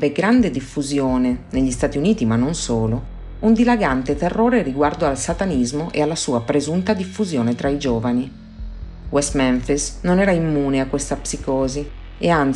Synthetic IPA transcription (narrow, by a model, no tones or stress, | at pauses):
veɡɾand̪ed̪ifːuzjoːneneʎːist̪aːt̪iuniːt̪imanːonsoːlo | und̪ilaɡant̪et̪ɛrːoːɾeriɡward̪oalsat̪anizmoʔḛalːasuːapɾezunt̪ad̪ifːuzjɔːnet̪ɾaid͡ʒɔːvani | wɛst̪mɛɱfisnonɛːɾaimːuːneakːwest̪apsikɔːzi | ean